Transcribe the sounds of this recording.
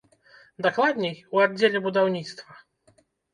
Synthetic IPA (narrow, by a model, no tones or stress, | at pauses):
d̪aklˠad̪ʲnʲejuad̪̚ʲd͡zʲːelʲɛbud̪awnʲit̪st̪vɐ